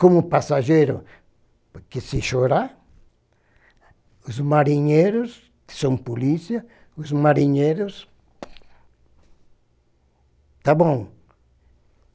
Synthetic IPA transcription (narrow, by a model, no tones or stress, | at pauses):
kõmʊpasaʒejɾʊ̰ | poɾkesɪʃoɾa | ʊzmaɾĩɲejɾʊs | sõpolisiɐ | ʊzmaɾiɲejɾʊs | t̪abõw̃